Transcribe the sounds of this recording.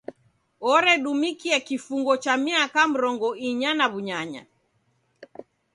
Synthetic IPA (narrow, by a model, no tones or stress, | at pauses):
ɔɾɛɗumikiɛkifuŋɡɔt͡ʃamiakam̩ɾɔŋɡɔiɲanaβuɲaɲa̰